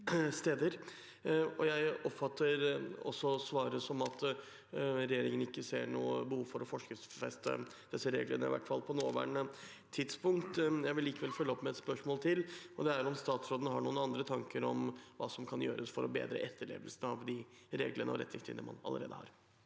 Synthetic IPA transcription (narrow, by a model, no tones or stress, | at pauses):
st̪eːd̪əɾ | ɔjæɪɔpfɑt̪ʰːəɾɔsːɔsʋɑːɾəsɔmɑt̪ | ɾɛjeːɾɪŋənɪkːəseːɾɳuːəbəhuːʋfɔɾɔfɔʂkə | fɛst̪ə̰d̪̥ɛsːəɾḛːɡlənəɪʋæ̰ʈːfɑlˠpʰɔnoːʋæ̰ːɳət̪ʰɪd̪spʊŋkt̪jæɪʋɪlːiːkəʋɛlfœlːəɔpːmɛɛt̪spœʂmoːlt̪ʰɪlɔd̪ɛæɾɔmst̪ɑːt̪sɾoːd̪ənɦɑɳuːənɑnd̪ɾət̪ʰɑŋkəɾɔmʋɑ̰ːsɔmkʰɑnjøːɾəsfɔɾɔbḛːd̪ɾə̰ʔɛt̪ʰːəɭḛːʋəlsən̩ɑʋd̪ɪ | ɾeːɡlənəɔ̰ɾɛt̪nɪŋst̪ʰɪ̰lnəmɑ̰nɑ̰ə̰ɾḛːd̪əhɑ̰ɾ